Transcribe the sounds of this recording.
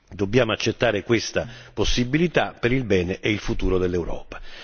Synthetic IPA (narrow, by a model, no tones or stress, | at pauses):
d̪obːjaːmoat͡ʃːet̪ːaːɾɪkwest̪aposːibilit̪apeɾilbɛːneʔeilfut̪uːɾod̪elːewɾɔ̰ːpḁ